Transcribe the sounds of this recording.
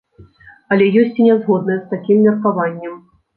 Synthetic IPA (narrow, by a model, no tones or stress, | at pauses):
ɐlʲɛjɔsʲt͡sʲinʲɛzɣɔd̪nɐjɛst̪akʲimːʲɐrkavanʲːɛm